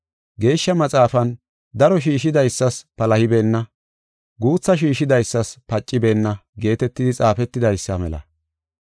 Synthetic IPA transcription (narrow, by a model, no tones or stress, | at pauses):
ɡe̞ːʃːɐmɐt͡sʼaːfɐn | d̪ɐɾɔʃiːʃɪd̪ɐjsːɐspɐlɐhɪbe̞ːnːɐ | ɡuːt͡sːɐʃ̬iːʃɪd̪ɐjsːɐspɐt͡ʃʼːɪbe̞ːnːɐɡe̞ːt̪ɛt̪ːɪd̪ɪt͡sʼaːfɛt̪ːɪd̪ɐjsːɐmɛ̰lɐ̰